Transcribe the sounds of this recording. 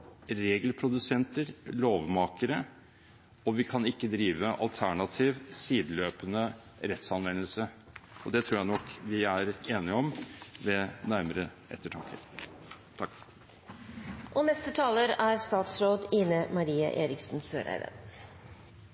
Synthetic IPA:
ɾeːɡlpʰɾʊd̪ʉsɛnt̪əɾloːʋmɑːkəɾə | ɔʋɪkʰɑnɪkːəd̪ɾiːʋəʔɑ̰lt̪ʰæɳɑt̪ʰiːʋsiːd̪løːpənə | ɾɛt̪sɑnʋɛnːəlsə | ɔd̪ɛt̪ʰɾuːɾjæɪnɔkʋɪæɾeːnɪɔmʋɛnæɾməɾə | ɛ̰t̪ːəʈʰɑŋkʰəɾ | t̪ʰɑkː | ʔɔnɛst̪ət̪ʰɑːləɾæɾst̪ɑːt̪sɾoːd̪ɪnəmɑɾiːə̰ʔeːɾɪksn̩sø̰ːɾæ̰ɪʋ̪ə̰n

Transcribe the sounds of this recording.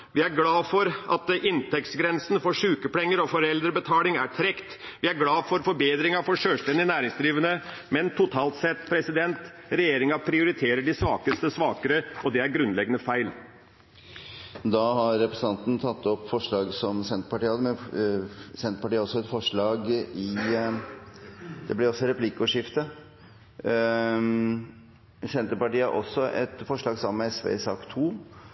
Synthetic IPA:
ʋɪæɾɡlɑːfɔɾʔɑt̪ɪnt̪ʰɛkt̪sɡɾɛnsn̩fɔʂʉːkəpʰlɛŋːəɾɔfɔɾɛld̪ɾəbət̪ʰɑːlɪŋæʈʰɾɛkt̪ʋɪæɾɡlɑːfɔɾfɔɾbeːd̪ɾɪŋɑfɔʂøːlʂst̪ɛnd̪ɪnæːɾɪŋsd̪ɾiːʋənə | mɛnt̪ʰʊt̪ʰɑːlt̪sɛt̪ːpʰɾɛsɪd̪ɛnt̪ | ɾɛjeːɾɪŋɑpʰɾɪʊɾɪt̪ʰeːɾəɖɪsʋɑːkəst̪əsʋɑːkəɾəɔd̪ɛæɾɡɾʉnlɛɡːənəfæɪl | d̪ɑhɑɾːɛpɾəsən̩ɑnt̪n̩t̪ʰɑt̪ːɔpːfɔʂɭɑːɡsɔmsɛnt̪əpɑʈiːhɑd̪əmɛn | sɛnt̪əpɑʈiːɾɔsːɔɛt̪fɔʂɭɑːɡɪ | d̪̥ɛblɪɾɔsːɔɾɛplɪkːʊʂɪft̪ə | sɛnt̪əɾpɑʈiːɑɾʔɔ̰sːɔʔɛ̰t̪fɔʂɭɑːɡsɑməmɛɛsʋḛːsɑːkt̪ʰuː

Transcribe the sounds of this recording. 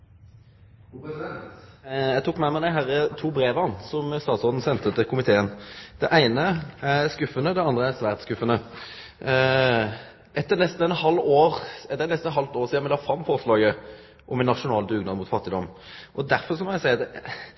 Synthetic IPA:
jæt̪uːkmɛmɛd̪æɪɦæɾət̪ʰuːbɾeːʋɑnsɔmst̪ɑːt̪sɔːd̪n̩sɛnt̪ət̪ːɪkʰʊmɪt̪ʰeːənd̪̥ɛʔæɪnəæɾskʉfənəd̪ɛɑnd̪ɾəæsʋæːʁt̪skʉfːənə | ʔɛt̪ːənɛst̪n̩ɛnhɑlːoːɾɛt̪ːəɾɛnɛst̪n̩nɦɑlft̪oːɾsiːnmɛɪd̪ɑfɾɑmːfɔɾʂlɑːɡə | ʔɔmɛnːɑʂʊnɑːld̪ʉːɡnɑd̪mʊːt̪fɑt̪ːɪd̪ɔmː | ʔɔd̪æɾfɔʁs̬ɔmɔnæɪsæɪɑt̪ɛ

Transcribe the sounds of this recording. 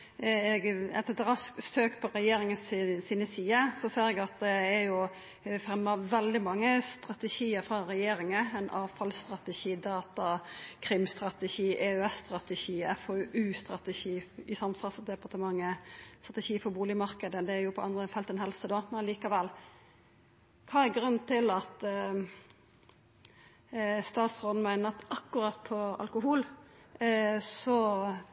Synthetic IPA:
ɛɡɛt̪ɛt̪ɾɑskst̪øːkpʰɔɾɛjeːɾɪŋənssiːnəsiːəsɔseːɾɛɡɑt̪̚d̪ɛæɾjʊ | fɾɛmːɑʋɛld̪ɪmɑŋːəst̪ɾɑt̪ɛʃiːəɾfɾɑɾɛjeːɾɪŋəɛnʔɑːʋfɑlst̪ɾɑt̪ɛʃiːd̪ɑːt̪ɑkʰɾɪmst̪ɾɑt̪ɛʃiːʔɛœɛsst̪ɾɑt̪ɛʃiːɛfɔʔʉːst̪ɾɑt̪əʃiːɪsɑmfɑsd̪ɛpɑʁt̪əmɑŋːəst̪ʁɑt̪ɛʃiːfɔbuːlɪmɑɾkəd̪əd̪ɛæɾjʊpʰɔɑnd̪ɾəfɛlt̪ɛnɦɛlsəd̪oːmɛnɑliːkɑʋɛlː | kʰɑːɛɡɾʉnt̪ʰɪlɑt̪ | st̪ɑːt̪sʁɔːd̪n̩mæɪnəɑt̪ɑkːʉɾɑt̪ːpʰɔɑ̰lkʊɦuːl | sɔ

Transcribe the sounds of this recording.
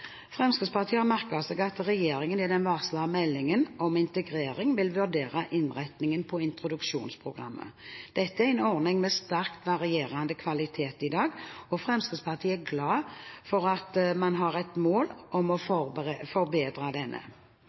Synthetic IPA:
fʁɛmskəd̪spɑʁt̪ʰiːəɑmæʁkɑsɛɡɑt̪ʁɛjeːɾɪŋənɪd̪ɛnʋɑʁslɑmɛlːɪŋənʔɔmɪnt̪əɡʁeːɾɪŋʋɪlʋʉʁd̪eːʁɑʔɪnʁæt̪nɪŋənpʰɔɪnt̪ʁʊd̪ʉkʃṵːnspʰʁʊɡʁɑ̰mːʔə̰d̪̥ɛt̪ːəæɛnɔʁnɪŋmɛst̪æʁkt̪ʋɑʁɪeːʁɑnd̪əkʰʋɑlɪt̪ʰeːt̪ɪd̪ɑːɡɔfʁɛmskəspʰɑʁt̪ʰiːəæɡlɑːfɔɾɑt̪mɑnɦɑʁɛt̪moːlʔɔmɔffɔɾbeːd̪ɾɑd̪ɛnʔə̰

